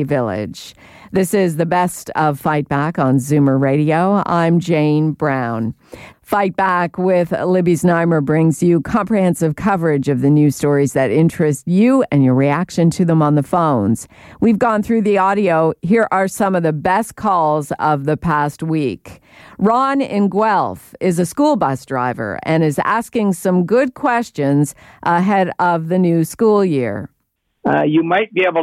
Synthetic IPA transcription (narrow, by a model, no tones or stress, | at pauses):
vɪlˠɪ̰d̥ʒ̥ | ðɪsɪzðɨbɛstʌv̥faɪt̚b̥ækn̩zʉ̃mə˞ɹeɪɾioʊã̰ɪ̃md͡ʒẽɪ̃nbɹãʊ̃n | faɪt̚b̥ækwɪðlɪbiznãɪmə˞bɹɪ̃ŋzjɨkʰɑ̃mpɹihɛ̃nsɨv̥kʰʌvə˞ɪd͡ʒʌvðɨnʉstɔɹizðɨɾɪ̃nt͡ʃɹ̥ɨst͡ʃʉɨ̃njə˞ɹiækʃɨ̃ntʰɨðə̃mə̃nðəfõʊ̃nz̥ | wivɡɔ̃nθɹʉðiɔɾioʊɦiɹʔə˞sʌ̃mʌvðɨbɛskʰɔlˠzʌvðɨpʰæst̚wik | ɹɑ̃nɪ̃nɡwɛlˠfɪzɨskulˠbʌsd̥ɹa̰ɪvə̰˞ʔɨ̃ñɨzæ̰skɪ̃ŋsʌ̃mɡʊd̚kʰw̥ɛst͡ʃɨ̃nzʔəɦɛɾʌvðɨnʉskulˠjɪ̰ɹ | jɨmaɪt̚b̥ieɪbl̩